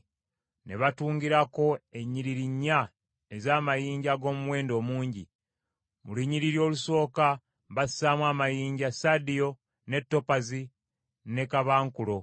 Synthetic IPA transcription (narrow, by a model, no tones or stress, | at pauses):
ne̞βatuːŋɡiɾako̞e̞ɲːiɾiɾiɲːa | e̞zaːmajiːɲɟaɡo̞ːmuweːndo̞ːmuːɲɟi | mṵliɲːiɾiɾjo̞ːluso̞ːka | βassaːmwaːmajiːɲɟasadijo̞ | ne̞tːo̞pazi | ne̞kaβaːŋkulo̞